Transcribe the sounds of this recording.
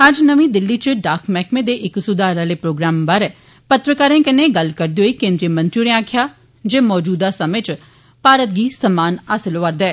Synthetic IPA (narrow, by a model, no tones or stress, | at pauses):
əd͡ʒnəʋĩːd̪ɪlːiːt͡ʃɖaːkʰmɛːkmẽːd̪eːʔɪksʊd̪aːɾaːleːpɾoːɡɾaːmbaːɾɛː | pət̪ɾəkaːɾẽːkɪnẽːɡəlkəɾd̪eːɦoiːkẽːnd̪ɾijəmə̃nt̪ɾioːnẽaːkʰjaː | d͡ʒeːmɔːd͡ʒuːd̪aːsəmet͡ʃ | paːɾət̪̚ɡiːsəmaːnaːsəloːʋəɾd̪ɛː